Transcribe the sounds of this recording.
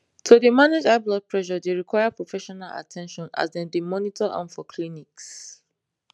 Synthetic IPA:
tʰudəmaned͡ʒablɔk̚pʰɹɛʃɔdeɹikʰwajapɹofɛʃɔnala̰tʰɛ̃nʃɔ̃na̰sdɛ̃ndemɔnitʰɔʔã̰nfɔkʰliniks

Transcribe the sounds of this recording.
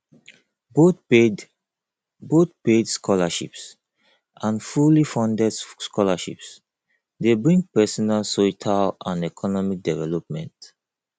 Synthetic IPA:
bo | bot̪̚pedskʰɔlaʃḭps | ʔãnfulifɔ̃ndɛdskɔlaʃḭps | debɹĩŋɡ̚pɛsɔnalsotʰalãnɛkʰɔnɔmik̚dɛvɛlɔp̚mɛ̰̃nt

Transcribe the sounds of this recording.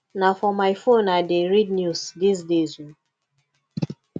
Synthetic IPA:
nafɔmaɪfõnadeɹid̚njusdis̬dezu

